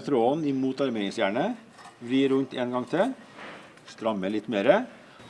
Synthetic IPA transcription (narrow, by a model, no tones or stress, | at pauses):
t̪ʰɾoːnɪmuːt̪ɑɾmeːnɪəsjæːɳə | ʋɾiːɾʉnt̪ʰeːnɡɑŋt̪ʰɪ | st̪ɾɑmːəɭɪt̪ːmeːɾə